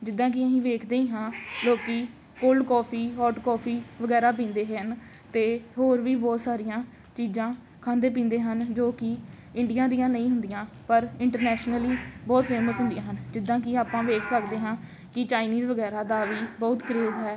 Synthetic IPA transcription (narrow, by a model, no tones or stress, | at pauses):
d͡ʒɪd̪ːãːk̬ɪəɦĩːʋeːkʰd̪eĩːɦãːloːkiː | kʊlkɔːpʰiːɦɔːʈkɔːpʰiːʋəɡɛːɾaːp̬ĩːnd̪eːɦən | t̪eːɦoːɾʋiːbɔːt̪saːɾɪjãː | t͡ʃiːzãː | kʰãːnd̪eːp̬ĩːnd̪eːɦənd͡ʒoːkɪ | ɪɳɖijãːd̪ijãːnəĩːɦʊnd̪ɪjãː | pəɾɪɳʈəɾnɛːʃnəliːbɔːt̪pʰeːməsɦʊ̃nd̪ijãːɦənd͡ʒɪd̪ːãːk̬ɪaːpãːʋeːkʰsəkd̪eːɦãː | kɪt͡ʃaːɪniːzʋəɡɛːɾaːd̪aːʋiːbɔːt̪kəɾeːzɦɛː